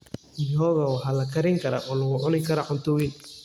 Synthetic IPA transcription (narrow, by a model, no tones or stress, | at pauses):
ɪjɔːɣɐwɑħalɐkʰɐɾɪŋkʰɐɾa̰ʔɔːlɐɣʊʕʊnɪŋkʰɐɾaʕʊnt̪ʊwin